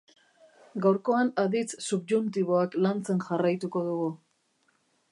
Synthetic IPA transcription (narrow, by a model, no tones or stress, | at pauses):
ɡawɾko̞anaðit͡ssupʝunt̪iβo̞aklant͡se̞nʝarajt̪uko̞ðuɣu